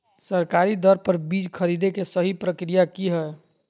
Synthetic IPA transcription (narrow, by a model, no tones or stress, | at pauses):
səɾkaɾid̪əɾpəɾbid͡ʒkʰəɾid̪ekesəɦipɾəkɾijakiɦɛ